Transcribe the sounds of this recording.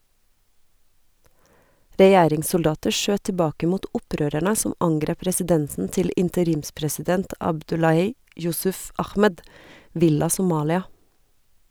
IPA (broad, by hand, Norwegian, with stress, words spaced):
ɾɛˈjæːɾɪŋsʊlˌdɑːtəɾ ˈʃøː tɪˈbɑːkə ˈmuːt ˈʊˌpɾøːɾæɳə ˈsʊm ˈɑŋɡɾeːp ɾɛsɪˈdɛnsn̩ ˈtɪl ɪntəˈɾiːmspɾɛsɪˌdɛnt ɑbˈdʉlɑhiː ˈjʊsʉf ˈɑxmɛd ˈʋɪlɑ sʊˈmɑːlɪɑ